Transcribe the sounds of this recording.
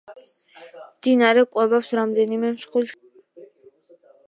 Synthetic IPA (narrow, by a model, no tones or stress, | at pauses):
md̪inaɾɛkʼwɛbapsɾamd̪ɛnimɛmʃχuls